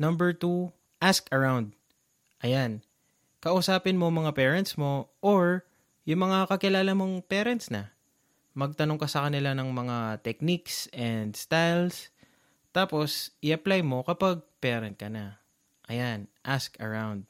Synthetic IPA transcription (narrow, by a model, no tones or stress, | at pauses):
nɐmbɛɹt̪u | ʔaskɐɹawnd̪̚ | ʔɐjan | kɐʔʊsaːpɪnmomɐŋapɛːɹɛnt̪smo̞ʔoɹ | jʊŋmɐŋakɐkɪlaːlɐmo̞ŋpɛːɾɛnt̪snɐ | mɐɡ̚t̪ɐnoŋkɐsɐkɐnɪlanɐŋmɐŋat̪ɛk̚niksʔɛnd̪st̪ajls | t̪aːpo̞sʔɪʔɐplajmo̞kɐpaɡ̚pɛːɾɛnt̪̚kɐnɐ | ʔɐjanʔaskɐ̰ɹawnd̪̚